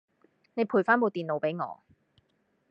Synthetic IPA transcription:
ne˨˧jpʰuː˨˩jfaː˥nmo˨˧t̪iː˨nlo˨˧wpe˨˥jŋɔ̰ː˨˧˦

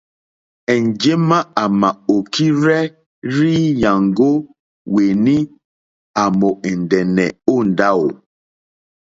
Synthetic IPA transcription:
ɛ˨n˨d͡ʒe˦ma˦a˨ma˨o˨ki˦ɾɛ˦ | ɾi˦ja˨ŋɡo˦ | we˨ni˦ | a˨mo˨ɛ˨n˨dɛ˨nɛ˨o˦˨n˨da˦o˨

